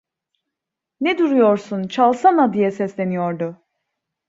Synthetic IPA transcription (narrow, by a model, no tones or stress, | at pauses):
nɛd̪uɾujoɾsunt͡ʃʰalˠsanad̪ijɛsɛslʲenijoɾd̪u